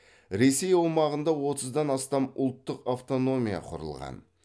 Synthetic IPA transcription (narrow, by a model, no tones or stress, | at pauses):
ɾe̞se̞jowmɑʁənd̪ɑwo̞t̪əzd̪ɑnɑst̪ɑmʊ̰lˠt̪ːəqaft̪o̞no̞mʲija̰qʰʊ̰ɾə̰lˠʁɑ̰n